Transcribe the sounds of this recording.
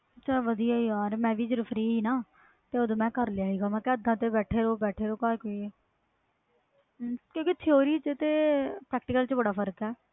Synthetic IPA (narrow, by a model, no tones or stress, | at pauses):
ət͡ʃʰaːʋəd̪ijaːiːaːɾmɛ̃ːʋiːd͡ʒəɾfʰɾiːiːnaː | t̪eːoːd̪õːmɛ̃ːkəɾlejaːiːɡaːmɛ̃ːkɛːəd̪ãːt̪eːbɛːʈʰeːɾoːbɛːʈʰeːɾoːkaːekoːieː | kjõːket̪ʰɪoːɾiːt͡ʃt̪eːpɾɛːk̚ʈɪːkəlt͡ʃbəɽaːpʰəɾkɛː